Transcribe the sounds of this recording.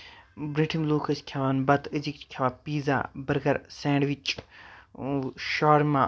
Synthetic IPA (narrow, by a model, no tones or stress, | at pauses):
bɾiʈʰimloːkʰɐskʲʰɐʋaːnbɐt̪ʰɨd͡ʒikt͡ʃʰkʲʰɐʋapiːza̰ːbɐɾɡɐɾsẽːɳɖʋit͡ʃ | ʃaːɾma